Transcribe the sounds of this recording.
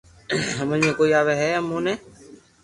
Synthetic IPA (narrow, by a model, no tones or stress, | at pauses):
ɦəməlmẽːkoːiːaːʋeːɦɛːəmːõːnẽː